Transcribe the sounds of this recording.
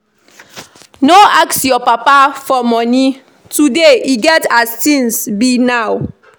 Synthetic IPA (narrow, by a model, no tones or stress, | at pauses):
noaksjɔpapafɔmɔni | tudeiɡɛtastĩnsbinaw